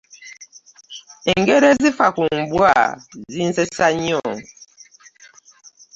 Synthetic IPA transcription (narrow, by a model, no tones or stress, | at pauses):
ŋ̩ɡeɾezifakumm̩bua̰zin̩sesaɲiɔŋ